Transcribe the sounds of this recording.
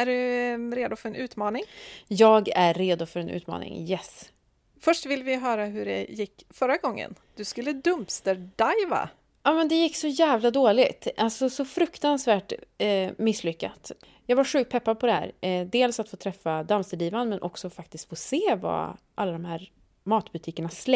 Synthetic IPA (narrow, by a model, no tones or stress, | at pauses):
æɖɵɾeːd̪ʊfœɾɛnʉ̟ːt̪mɑːnɪŋjɑːɡæːeːd̪ʊfœɾɛnʔʉ̰t̪mɑ̰ːnɪ̰ŋjɛs | fœʂʈvɪlvɪɦœːɾaɦɵɖɛ̰jɪkːfœɾaɡɔŋːə̰n | d̪̥ɵskɵlːəd̪ɵmpst̪əɾɖajva̰ | ɑːmɛnd̪ɛjɪkːsɔjæːvlad̪oːlɪɡt̪ʔalsɔsɔfɾɵkt̪ansvæːʈ | mɪsːlʏkːa̰t̪ | jɑːɡvaɾɧʉ̟k̚t̪̚pʰɛpːad̪̚pʰɔd̪ɛhæ̰ːɾd̪eːlsat̪foːt̪ʰɾɛfːad̪amst̪əɖ̪iːvanəmɛnʔɔksɔfak̚t̪ɪst̪foːseːva̰ | ʔalːad̪ɔmhæːɾ | mɑːt̪b̥ɵt̪ʰiːkəɳasl